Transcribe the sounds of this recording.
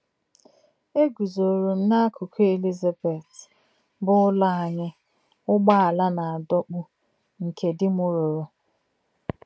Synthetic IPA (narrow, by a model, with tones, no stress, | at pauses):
e˦ɡu˨zo˨ɾu˨n̩˦na˦a˦kʰu˨kʰu˦e˨li˦za˨be˨t | bʊ˦ʊ˦la˦a˨ɲɪ˦ | ʊ˦ɡ͡ba˦a˨la˦na˨a˨dɔ˦k͡pʊ˦ | ŋ̩˨kʰe˨dɪ˦mʊ˦ɾʊ˨ɾʊ˨